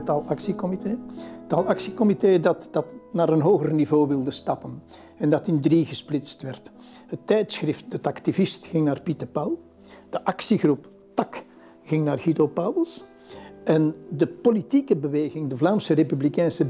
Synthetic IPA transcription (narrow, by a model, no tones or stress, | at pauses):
tːalˠɑksikɔmiteːtːaːlˠɑksikɔmiteːdɑtd̥ɑtnaːɾənɦoːɣərnivoːʋɪlˠdəstɑpən | ɛndɑtɪndriɣəsplɪtstʋɛrt | hətːɛjtsxrɪft̚ətɑktivɪstxɪŋnaːrpitərpɑwlˠ | d̥əʔɑksiɣrup | tɑk | ɣɪŋnaːrɣidopaːwəlˠs | ʔɛndəpolitikəbəʋeːɣɪŋdəvlaːmsərepyblikɛjnsə